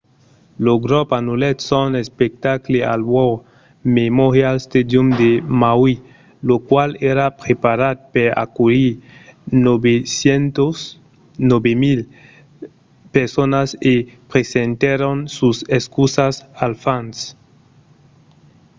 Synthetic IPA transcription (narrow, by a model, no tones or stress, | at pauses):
loɡɾopanulet̪sonespek̚t̪aklea̰lwow | memoɾjalst̪ed̪jumd̪emawi | lokwaleɾapɾepaɾad̪̚peɾa̰kuli | nobesjent̪os | nobemil | peɾsonasepɾesent̪eɾonsuseskusasalfans